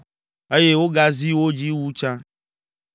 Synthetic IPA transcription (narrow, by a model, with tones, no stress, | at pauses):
e˦je˦wo˦ɡa˦zi˦wo˦d͡ʑi˦wu˦t͡ʃã˦